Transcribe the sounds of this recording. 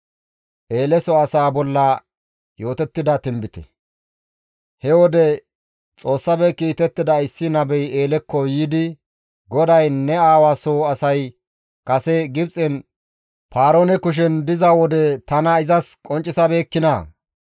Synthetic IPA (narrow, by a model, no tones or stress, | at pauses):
ʔeːlɛsɔɐsaːbɔlːɐ | jo̞ːt̪ɛt̪ːɪd̪ɐt̪ɪmbɪt̪ɛ̥̰ | hɛwɔd̪ɛ | t͡sʼo̞ːsːɐbɛkiːt̪ɛt̪ːɪd̪ɐɪsːɪnɐbɛjeːlɛkːɔjiːd̪ɪ | ɡɔd̪ɐjnɛaːwaːsoɐsɐj | kɐsɛɡɪb̚t͡sʼɛn | paːɾoːnɛkʊʃ̬ɛnd̪ɪzɐwɔd̪ɛt̪ɐnɐɪzɐskʼɔnt͡ʃʼːɪsɐbe̞ːkːɪnɐ